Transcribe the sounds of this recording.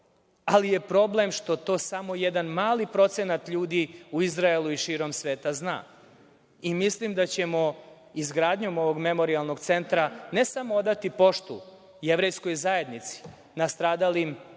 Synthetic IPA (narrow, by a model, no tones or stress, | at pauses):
alije̞pɾo̞ble̞mʃt̪o̞t̪o̞ːsamo̞jed̪anmaːlipɾo̞t̪se̞nat̪ʎuːd̪iuizɾaelˠuiʃiːɾo̞msʋeːt̪azna̰ː | imislimd̪at͡ɕe̞mo̞ | izɡɾaːd̪ɲo̞mo̞ʋo̞ɡme̞mo̞ɾialˠno̞ɡt̪se̞nt̪ɾanesamood̪at̪ipo̞ʃt̪ṵ | jeʋɾe̞jsko̞jzaje̞d̪nit̪si̥ | nast̪ɾaːd̪alim